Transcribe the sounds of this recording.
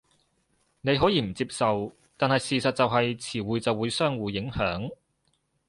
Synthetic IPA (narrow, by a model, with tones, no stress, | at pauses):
ne˨˧jɦɔː˨˥jiː˨˧m̩˨˩t͡siː˧p̚sɐ˨w | t̪aː˨nhɐ˨jsiː˨˩sɐ˨t̚t͡sɐ˨wɦɐ˨jt͡sʰiː˨˩wuː˨˧jt͡sɐ˨wːuː˨˧jsœː˥ŋwuː˨˧jːɪ˨˥ŋhœː˨˥ŋ